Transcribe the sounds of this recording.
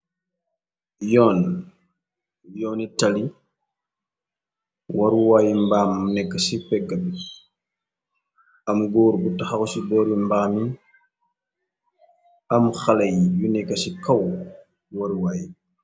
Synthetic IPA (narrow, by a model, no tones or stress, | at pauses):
jɔːn | jɔːnitali | waɾuwaːjimbaːmnɛkːasipɛɡabi | amɡɔːɾɡutaxakɔsibɔːɾimbaːmi | amxalajjunɛkːasikaw | waɾuwaːji